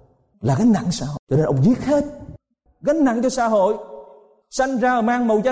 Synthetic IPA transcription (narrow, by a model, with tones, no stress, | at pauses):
laː˨˩ɣa˨˦nna̰˧˨nsaː˧˩ho̰˧˨t͡ɕɔ˧ne˧nʔə̰˨wŋ͡mzi˦˥ət̚he˦˥t̚ | ɣa˨˦ŋ̟na̰˧˨nt͡ɕɔ˧saː˧˦ɦo̰˧˨j | sa˧jŋ̟zaː˧ʔəː˨˩maː˧ŋmə̰˨wza˧˦